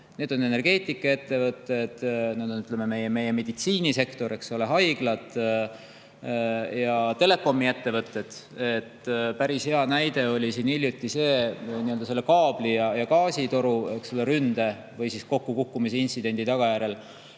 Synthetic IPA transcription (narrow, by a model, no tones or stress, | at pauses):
ne̞d̪̥one̞ne̞rɡ̥e̞ːt̪ˑikːˑɑe̞t̪ːe̞vɤt̪ːˑe̞d̪̥ned̪̥onyt̪le̞me̞me̞jeme̞jeme̞d̪̥it̪siːnise̞kt̪o̞ɾe̞kso̞le̞ɦɑjɡ̥lɑt̪ˑ | jɑt̪e̞le̞kːo̞mːiet̪ːe̞vɤt̪ˑːe̞d̪̥e̞t̪ːpæɾishe̞ɑnæjd̪̥e̞o̞lʲisiːnilʲjut̪ːˑise̞ːniø̞ld̪ɑse̞lːekɑːb̥lijɑjɑkɑːsit̪o̞ɾuekso̞leɾynd̪̥e̞ | vɤjsisko̞kːukukːumis̬eint̪sid̪̥e̞nʲd̪̥it̪ɑɡ̥ɑjæɾe̞l